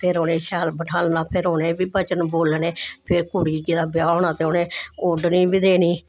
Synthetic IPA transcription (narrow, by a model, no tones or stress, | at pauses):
pʰɪɾoːnẽːʃɛːlbəʈʰaːlnaːpʰɪɾoːnẽːbiːbət͡ʃənboːlneːpʰɪɾkuːɽiːd͡ʒeːd̪aːbɪjaːnaːt̪eːoːnẽːoːɖniːbiːd̪eːniː